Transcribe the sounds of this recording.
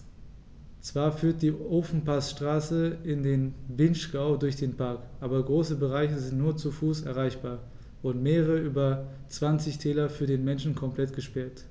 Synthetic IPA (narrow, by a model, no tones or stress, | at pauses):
t͡sv̥aːɐfyːɐt̚d̥iːʔoːfn̩pʰasʃtʁ̥aːsəɪndeːnvɪnʃkaʊdʊɐçd̥eːnpʰaɐkʔaːbɐɡʁoːsəbəʁ̞aɪçəzɪntnuːɐt͡sufuːsɛ̰ɐʁ̞aɪçb̥aːɐ | ʊdn̩tmeːʁəʁəəʔyːbɐt͡sv̥ant͡sɪçtʰɛːlɐfyːɐdeːnmɛnʃn̩kʰɔmpl̥ɛtɡ̥əʃpɛɐt